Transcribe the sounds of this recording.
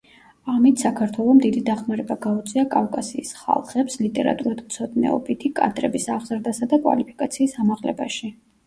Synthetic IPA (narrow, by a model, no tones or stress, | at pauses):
amit̪ʰsakʰaɾt̪ʰwɛlˠɔmd̪id̪id̪aχmaɾɛbaɡaut̪sʼiakʼafkʼasiːsχa̰lˠχɛpslit̪ʼɛɾa̰t̪ʼuɾad̪mt̪sʰɔd̪nɛ̰ɔ̰bit̪ʰikʼa̰d̪ʼɾɛbisaʁz̥ɾd̪asad̪akʼwa̰lipʰi̥kʼat̪sʰiːsamaʁlɛ̰ba̰ʃi